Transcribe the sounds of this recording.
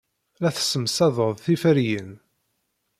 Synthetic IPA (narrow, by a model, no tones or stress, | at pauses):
læθə̥sːəmsæðˤəðˤθifəɾjən